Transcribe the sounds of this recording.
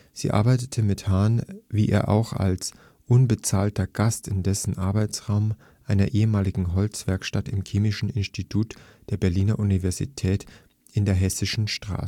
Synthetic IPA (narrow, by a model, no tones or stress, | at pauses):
z̥ḭːʔa̰ɐbaɪtətʰəmɪthaɐnviːʔḛːɐʔa̰ʊxa̰ls | ʔʊnbət͡saːltɐɡ̥astɪndɛsn̩ʔaɐbaɪt͡sʁ̥aʊm | ʔaɪnɐʔeːəmaːlɪɡŋ̩ɦɔlt͡sv̥ɛɐkʃtatɪmkʰeːmɪʃn̩ɪnstitʰuːtd̥eːɐbɛɐliːnɐʔunivɛɐzḭtʰɛːt | ʔɪndeːɐɦɛsɪʃn̩ʃtʁ̥a̰ː